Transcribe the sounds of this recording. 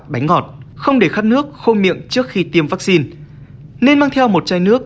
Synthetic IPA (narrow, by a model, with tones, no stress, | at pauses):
ɓa˨˦jŋ̟ŋɔ˨˩t̚xə˧wŋ͡mɗe˧˩xaː˦˥t̚nɨ˦˥ək̚xo˧mḭ˧˨əmt͡ɕɨ˦˥ək̚xi˧t̪i˧əmvaː˦˥k̚si˧n | ne˧nmaː˧ŋt̪ʰɛ˧wmo˨˩t̚t͡ɕaː˧jnɨ˦˥ək̚